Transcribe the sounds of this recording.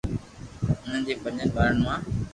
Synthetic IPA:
ʊn̤ənd͡ʑeːpə̃ɲənɓaːɾəɳmãː

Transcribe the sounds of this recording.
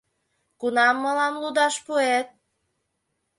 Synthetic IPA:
kunɑmːəlɑmlud̪ɑʃpuet̪̚

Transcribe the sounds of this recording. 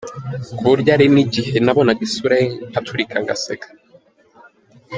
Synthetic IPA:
kuɾjaɾiniɟihenaβonaɡisuɾahatʰuɾikʰaŋɡa̰sekḁ

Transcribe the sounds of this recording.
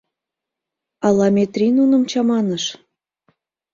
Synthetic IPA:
ɑlɑmʲet̪rʲinunə̆mt͡ɕɑmɑnəʃ

